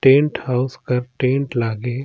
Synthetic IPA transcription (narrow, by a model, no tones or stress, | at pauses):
ʈẽːɳʈhaːʊskɐɾʈẽːɳʈlaːɡe